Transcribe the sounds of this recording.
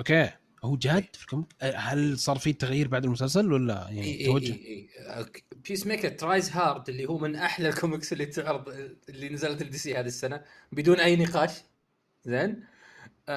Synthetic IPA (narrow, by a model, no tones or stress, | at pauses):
ʔokeː | huːd͡ʒaːd̪filkʊmɪkʔhalsˤɑːɾˤfiːt̪ːaɣjiːɾbaʕd̪almʊsalsalwalːa̰jaʕnt̪awad͡ʒːʊʔiː | pʰiːsmeːkat̪ːɾaːjzɦɑːɾˤd̪ʔɪlːihuːmɪnʔaħlalkʊmɪksɪlːit̪ʊʕɾɨðˤɪlːinazalt̪ɪld̪ɪsihaːðisːana | bɪd̪uːnʔajːnɪqɑːʃ | zeːn